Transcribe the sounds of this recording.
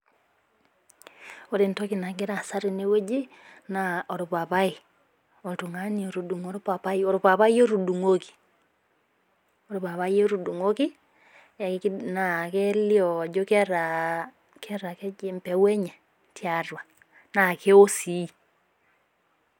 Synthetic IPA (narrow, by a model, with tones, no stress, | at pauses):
o˦ɾe˨ntɔ˦ki˨na˨ɡe˦ɾa˨sa˦ɾi˨ne˦we˦d͡ʒi˦ | na˨ɔ˨ɾo˨pa˨pa˦i˨ | o˨ltu˨ŋa˦ni˨o˨ɾu˨du˨ŋo˨ɾo˦pa˨pa˦i˨o˨ɾo˨pa˨βa˦jo˦ɾu˨du˨ŋo˦ki̥˨ | o˨ɾo˨pa˨βa˦jo˦ɾu˨du˨ŋo˦ki˦˨˦ | na˨ke˦li˦ɔ˨d͡ʒo˦kɛ˦ɾa | kɛ˦ɾa˨kɛ˦e˨˦mpɛ˦wɛ˦ɲɛ˨ | tʰja˨rwa˨ | na˨ke˦o˦si˨˦